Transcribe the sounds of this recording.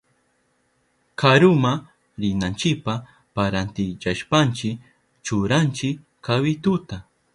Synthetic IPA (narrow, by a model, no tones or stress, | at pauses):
kʰaɾʊma | ɾɪnant͡ʃɪpa | paɾant̪ɪt͡ʃaʃpant͡ʃɪ | t͡ʃʊɾant͡ʃɪ | kawɪt̪ʊt̪a